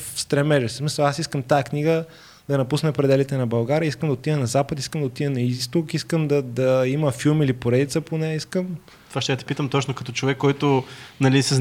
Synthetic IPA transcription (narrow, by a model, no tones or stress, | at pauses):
fst̪ɾɛmɛʒɛssmisəlˠasiskəmt̪ajəkniɡə | d̪ɐnɐpusnɛpɾɛd̪ɛlit̪ɛnɐbɐlˠɡaɾʲiəiskəmd̪ɐot̪iənɐzapət̪iskəmd̪ot̪ijənɐist̪okiskəmd̪ɐd̪ɐiməfilˠmilipoɾɛd̪it̪səponɛiskəm | t̪o̥vaʃt̪ɛət̪i̥pit̪əmt̪ɔt͡ʃnokɐt̪ɔt͡ʃovɛkːɔjt̪ʊnɐlisɛz